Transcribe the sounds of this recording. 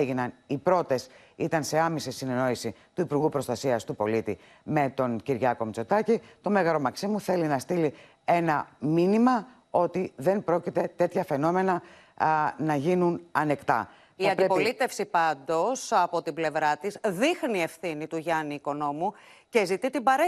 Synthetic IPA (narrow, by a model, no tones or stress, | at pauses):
eʝinɐnipɾo̞t̪e̞s | it̪ɐnse̞ɐmesisine̞no̞isit̪uipuɾɣupɾo̞st̪ɐsiɐst̪upo̞lit̪i | me̞t̪o̞nciɾʝɐko̞mit͡so̞t̪ɐcit̪o̞me̞ɣɐɾo̞mɐksimuθe̞linɐst̪ili | e̞nɐminimɐ | o̞t̪iðe̞npɾo̞cit̪e̞t̪e̞t̪çɐfe̞no̞me̞nɐ | nɐʝinunɐne̞kt̪ɐ̰ | iɐnpɾepolit̪e̞fsipɐnd̪o̞sɐpo̞t̪ible̞vɾɐt̪izðixniːe̞fθinit̪uʝɐniːko̞no̞muce̞zit̪it̪ibɐɾe